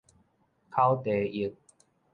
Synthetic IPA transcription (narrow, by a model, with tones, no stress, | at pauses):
kʰa˦wt̪e˨˦i˨˦k̚